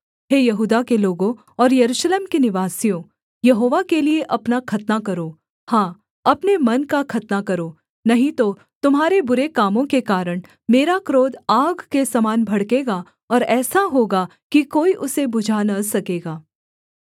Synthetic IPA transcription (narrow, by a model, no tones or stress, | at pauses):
ɦeːjɐɦuːd̪akeloːɡõ | ɔːɾjɐɾuːʃleːmkenɪʋaːsijõ | jɐɦoːʋakelieʔɐpnakʰɐt̪nakɐɾoː | hãː | ɐpnemɐnkakʰɐt̪nakɐɾoː | nɐɦĩt̪o | t̪ʊmɦaːɾebʊɾekaːmõkekaːɾəɽ̃ | meːɾakɾoːd̪aːɡkesɐmaːnbʱɐɽkeːɡa | ɔːɾɛːsaɦoːɡa | kikoːiʔʊsebʊd͡ʒʱanɐsɐkeːɡaː